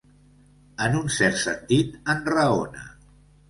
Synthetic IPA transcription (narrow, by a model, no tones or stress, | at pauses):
ənunsɛɾt̪sə̰nt̪it̪ənrəonə̰